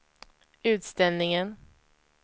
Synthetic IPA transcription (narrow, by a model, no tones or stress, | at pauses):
ʉ̟ːt̪st̪ɛlnɪŋən